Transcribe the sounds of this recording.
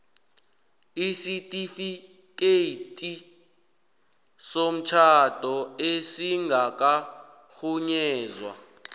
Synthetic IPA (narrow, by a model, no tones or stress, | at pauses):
isitʼifi | kʼetʼi | som̩t͡ʃʰad̥ʱɔesiŋɡʱak̬ʼa | xuɲɛːzwa̰